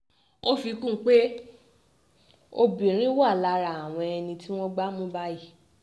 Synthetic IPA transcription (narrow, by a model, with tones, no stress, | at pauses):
o˦fi˧kũ˦k͡pe˦ | o˧bĩ˨ɾ̃ĩ˦wa˦˨la˧ɾa˨a˨w̃ɔ̃˧ɛ˧nĩ˧ti˦w̃ɔ̃˦ɡ͡ba˦mũ˦ba˦i˦˨